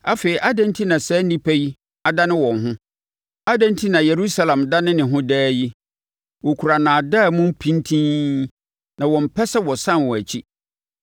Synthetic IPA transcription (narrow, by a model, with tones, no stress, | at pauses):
a˦fe˨ɾi˨ʔa˦dɛ̃˦n˦tʰi˦nã˨sɛ˦nĩ˦pʰæ˦ji˦ | a˨da˦nɪ̃˦wɔ̃˨nɦʊ̃˦ | a˦dɛ̃˦n˦tʰi˦nã˨je˨ɾu˦sa˦lã˨mda˦nɪ̃˦nɪ̃˨ɦʊ̃˦dɛː˦ji˦ | wɔ˨kʰu˨ɾa˨nã˨da˦˨mũ˦m˦pʰĩ˦ntʰĩ˦ | nã˨wɔ̃˨m̩˨pʰɛ˦sɛ˦wɔ˨sã˦nwɔ̃˨æ˨t͡ɕʰi˦